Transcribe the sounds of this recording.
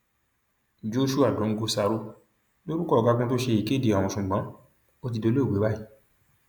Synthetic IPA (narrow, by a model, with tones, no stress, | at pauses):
d͡ʒo˦ʃu˦a˦˨dõ˨˦ŋ̩˦ɡo˧sa˧ɾo˦ | lo˦ɾu˦kɔ˦˨ɡa˧kũ˧to˦ʃe˧i˨ke˦˨di˨a˨w̃ɔ̃˧ʃũ˨ɡ͡bã˨˦ | o˦˧t̬i˧do˧le˦˨we˨˦ba˦i˦